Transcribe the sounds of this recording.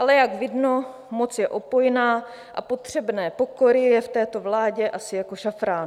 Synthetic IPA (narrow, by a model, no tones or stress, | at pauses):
ʔalɛjaɡvɪdno | mot͡sjɛʔopo̞jnaː | ʔa̰po̞t̪r̝̥ɛbnɛːpo̞koɾɪjɛft̪ɛːt̪o̞vlaːɟɛʔasɪjako̞ʃafɾaːn